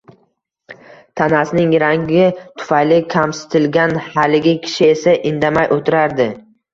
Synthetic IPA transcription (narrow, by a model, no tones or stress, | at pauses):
t̪ʰanasɪnɪŋɾaŋɡʲɪt̪ʰʊ̥fajlɪkʲʰamsɪ̥t̪ʰɪlɡʲanhalɪɡʲɪkʲʰɪ̥ʃɪe̞saʔɪnd̪amajʔot̪ʰɪɾaɾd̪ɪ